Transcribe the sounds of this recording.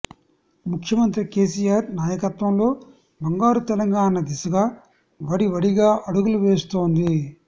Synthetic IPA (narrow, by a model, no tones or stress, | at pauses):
mukʰjɐmɐnt̪ɾike̞ːs̬ijaːɾnaːjɐkɐt̪ʋɐmlo̞ː | bɐŋɡaːɾut̪ɛlɐŋɡaːnɐd̪isɐɡaː | ʋɐɽiʋɐɽiɡaːʔɐɽuɡuluʋeːst̪o̞ːnd̪i